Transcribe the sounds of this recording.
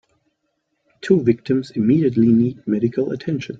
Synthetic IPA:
tʰuːvɪk̚tʰɨ̃mzɪmiːɾiətˡliniːd̚mɛɾɨkʰəl̩ˠə̰tʰɛ̃nʃɨ̃n

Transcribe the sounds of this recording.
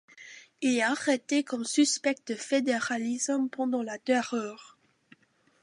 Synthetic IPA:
ilɛaʁet̪ekɔmsyspɛk̚t̪̚əfed̪eʁalizmpɑ̃d̪ɑ̃lad̪ɛʁœːʁ

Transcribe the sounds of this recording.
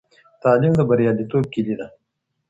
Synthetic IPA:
t̪ɑːlimd̪əbaɾjɑːlit̪ob̚kilid̪a

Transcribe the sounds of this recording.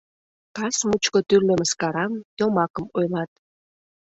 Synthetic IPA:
kɑsmut͡ɕkot̪yrlə̆məskɑɾɑmj̪omɑkəmojlɑt̪̚

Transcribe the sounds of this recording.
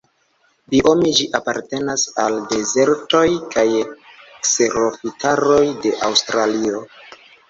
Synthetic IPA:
biʔo̞mid͡ʒiʔapaɾte̞nasalde̞ze̞ɾto̞jkajekse̞ɾofitʰaɾo̞jde̞ʔawstɾalio̞

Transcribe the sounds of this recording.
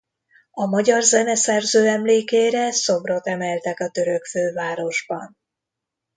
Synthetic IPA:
ɒmɒɟɒrzɛnɛsɛrzøːɛmleːkeːɾɛso̞bro̞t̪ɛmɛlt̪ɛkɒt̪ø̞ɾø̞kføːvaːɾo̞ʒbɒn

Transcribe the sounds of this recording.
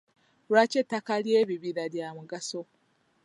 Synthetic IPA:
lwacetːakalje̞ːβiβiɾaβjaːmuɡaso̞

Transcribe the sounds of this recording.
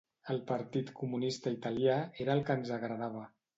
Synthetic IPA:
əlˠpəɾt̪it̪kumunist̪əit̪əljaeɾəːlˠkənzəɣɾəðaβ̞ə

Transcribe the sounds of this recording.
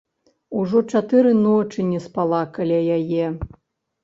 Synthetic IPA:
uʐɔt͡ʂat̪ɨɾɨnɔt͡ʂɨnʲɛspalˠakalʲajajɛ

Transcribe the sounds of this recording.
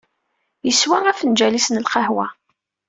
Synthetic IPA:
jəswææfənd͡ʒælisnəlqɑhwæ

